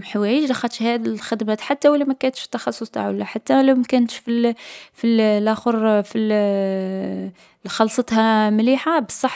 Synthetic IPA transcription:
ħwæjəd͡ʒlɑxɑt̪ʃhæd̪ilxɪd̪mæːt̪ħat̪ːæwælːæmækænt̪ʃfi̥t̪ːɑxɑsˤːʊsˤt̪a̰ʕwəlːæħat̪ːælæwmækænt̪ʃfilfilʔæxəɾfi | xɑlsˤɑt̪hamliːħabəsˤːɑħ

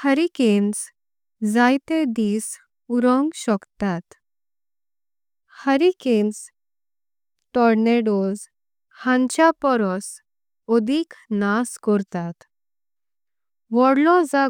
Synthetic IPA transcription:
həɾikens | d͡zajt̪ed̪iːs | uɾɔ̃ŋɡɕɔkt̪at̪ | həɾikens | ʈɔɾneɖoz | hãt͡ɕjapɔɾɔs | ɔd̪ʱiknaskɔɾt̪at̪ | ʋɔɽlɔd͡za

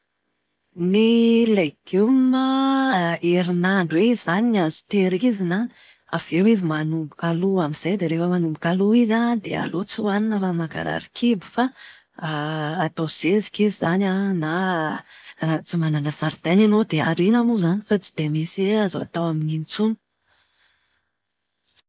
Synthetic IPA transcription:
nileɡumə | eɾinaɳɖ͡ʐweizzaninazu̥t̪eɾikizinan | av̥ewizimanumbukaluamiz̥ajd̪eɾefəmanumbukaluizad̪ea̰lot͡siwaninəfamaɡa̰ɾa̰ɾikʰibi̥fa | t̪oz̥ezi̥kizizanana | at͡simananəsaɾid̪ananod̪eaɾinamuzanifat͡si̥d̪̥emisaza̰t̪awaminint͡sunu

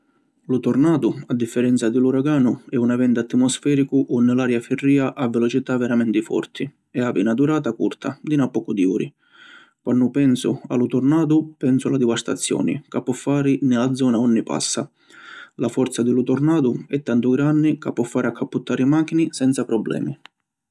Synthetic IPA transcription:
lut̪ɔrnaːd̪ʊad̪ːifːɛɾɛnt̪sad̪ɪluɾaɡaːnʊɛunavɛnd̪at̪ːimɔsfɛːɾikʊʔɔnːɪlaːɾjafɪrːiːaʔavːɛlɔt͡ʃit̪avːɛɾamɛnt̪ɪfɔ̰rt̪ʰɪ | ɛavinad̪uɾaːt̪akṵrt̪ʰa̰d̪inapːɔkud̪iṵːɾi | kwʔanːʊpɛnsʊ̰a̰lut̪ʊrnaːd̪ʊpɛnsʊalad̪ivast̪a̰t̪sːjɔ̰ːnɪ̰kapːɔfːaːɾɪnɪlad̪zːɔːnaɔnːipa̰sːa | lafɔɾt̪sad̪ɪlut̪ɔrnaːd̪ʊɛt̪ːant̪ʊɡɾanːɪkapːɔfːaːɾɪakʰːapːut̪ːaːɾimaːk̟inisɛnt̪sapɾɔbːlɛ̰ːmi

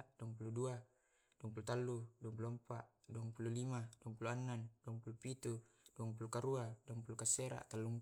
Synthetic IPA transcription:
duaŋpuludua | d̥uaŋpulut̪alːuduaŋp̬uluampaʔduaŋpululimaduaŋpuluanːand̥uaŋpulupit̪ud̥uaŋp̬ulukaɾuaduɔŋpulukaseɾa̰ʔt̪alːuŋ

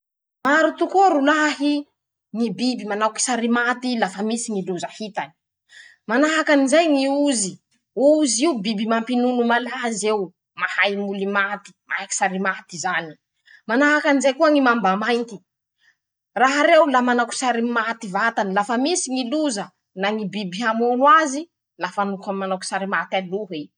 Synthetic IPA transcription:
maɾut̪ukoɾulaɦi | ŋibibimanaki̥saɾimat̪ilafəmisiŋiluzəhit̪ani̥ | manaɦakanizajŋiuzi | uuziubibimampinunumalazew | mahajmulimat̪i̥maaki̥saɾimat̪izani̥ | manaɦakanizajkuaŋimambamajnt̪i̥ | raɦaɾewlamanaku̥saɾimat̪ivat̪anilafəmisiŋiluzə | naŋibibiɦamunwazi | lafanukamanaku̥saɾimat̪aluɦi

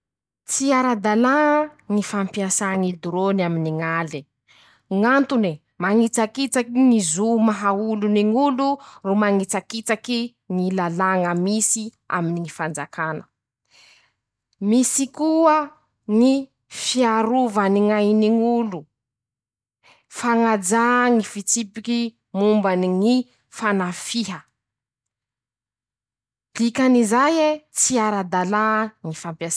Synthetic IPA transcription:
t͡siaɾad̪alaŋəŋifampiasaŋid̪uɾonaminiŋali | ŋant̪une | maŋit͡sakit͡sakinizumaɦauluniŋulurumaŋit͡sakit͡saki | ŋilalaŋəmisi | a̰miniŋifand͡zakanə | misikuə | ŋi | fiaɾuvaniŋajniŋulu | faŋad͡zaŋifit͡sipiki | mumbaniŋi | fanafiɦə | d̪̥ikanizajet͡siaɾad̪alaŋifampja

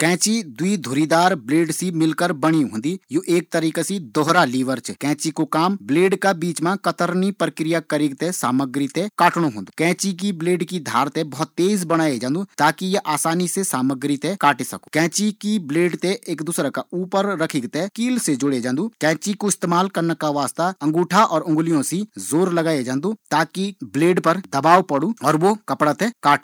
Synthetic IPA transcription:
kɛ̃ːt͡ʃid̪uid̪ʱoːɾid̪aːɾbleːɖsimɪlkəɾbəɽ̃iɦõːnd̪ijuʔeːk̚t̪əɾiːkasid̪ɔɦɾaliːʋəɾt͡ʃkɛ̃ːt͡ʃikokaːmbleːɖkabiːt͡ʃmãkət̪əɾnipɾəkɾijakəɾiːɡ̚t̪esaːməɡɾit̪ekaːʈɽ̃oɦõːnd̪ukɛ̃ːt͡ʃik̬ibleːɖkid̪ʱaːɾt̪ebɐɦʊt̪ːeːzbəɽ̃aːed͡ʒãːnd̪ut̪aːkijɐʔaːsaːnisesaːməɡɾit̪ekaːʈesɐ̰ku̥kɛ̃ːt͡ʃikibleːɖt̪eʔeːkd̪uːsɾakauːpəɾːɐkʰiɡt̪ekiːlsed͡ʒʊɽed͡ʒãːnd̪uːkɛ̃ːt͡ʃikoɪst̪eːmaːlkɐɾnakaʋaːst̪aɐ̃ŋɡuːʈʰaʔɔːɾʊ̃ŋɡlijõsizoːɾlɐɡaːed͡ʒãːnd̪ut̪aːkibleːɖpəɾd̪ɐbaːwpɐɽuɔːɾʋokɐpɽat̪ekaːʈ

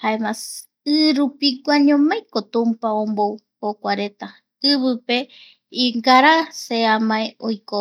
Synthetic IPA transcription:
haemas | ɨɾupiɡʷaɲõmãj̃kot̪ũmpaõmbow | hokʷaɾe̞t̪a | ɨβɨpe̞ | iŋɡaɾaseamãeojko

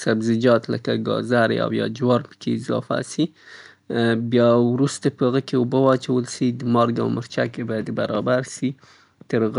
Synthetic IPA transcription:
sabzɪd͡ʒɑt̪lə̰kaɡɑ̰zaɾa̰wjɑ̰d͡ʒwɑɾpə̥keɪzɑ̰fa̰si | bjɑwɾust̪apəaɣəkeubəwɑt͡ʃawəlʃid̪əmɑɾɡa̰wməɾt͡ʃakebɑjad̪baɾɑbaɾʃi | t̪əɾɣ

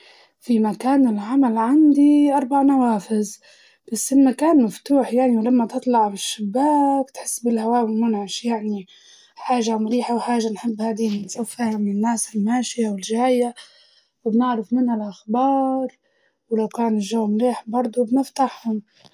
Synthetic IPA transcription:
fimakaːnɪlʕamalʕand̪iʔɑɾˤbaʕnawaːfɪz | b̥asːɪlmakaːnmaft̪uːħjaʕniwlamːat̪ɨt̪ˤlɑʕbɪʃːɪbːaːkt̪ħɪsːbɪlhawaːwɪlmʊnʕɪʃjaʕni | ħaːʒamɾiːħawħaːʒanħɪbːhaːd̪insˤɑfːaʕninːaːsɪlmaːʃɪjawɪlʒaːja | wbnɪʕɾɪfmɪnhalʔaxbɑːɾˤ | wlawkaːnɪʒːaːmliːħbɑɾˤd̪ˤubnɪft̪aħhʊm

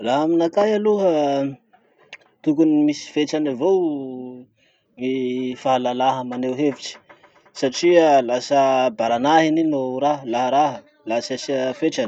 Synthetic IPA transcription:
laɦaminakajaluɦə | t̪ukunimisi̥feʈ͡ʂanavow | mifaɦalalaɦəmanewɦeviʈ͡ʂi̥ | saʈ͡ʂialasəbaɾanaɦininoɾaɦəlaɦəɾaɦə | lasasafeʈ͡ʂan

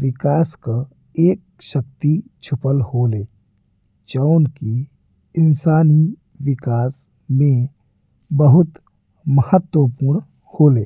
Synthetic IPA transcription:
ʋɪkaːska | eːk̚ʃək̚t̪it͡ʃʰʊpəlhoːleː | t͡ʃəʊnki | ɪnsaːni | ʋɪkaːs | mẽ | bəɦʊt̪ | məhət̪wəpuɾɳ | hoːleː

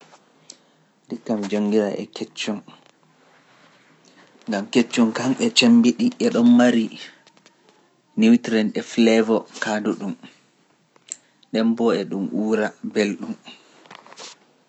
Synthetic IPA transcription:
ɗikːamd͡ʒoŋɡiɾaʔɛ̰kɛt͡ʃːɔn | ŋɡamket͡ʃːɔnkanɛt͡ʃembiɗiʔɛɗɔnmaɾi | niwtɾɛnɛflɛvɔkanduɗum | ɗɛmbɔɛɗumʔuːɾabelɗum

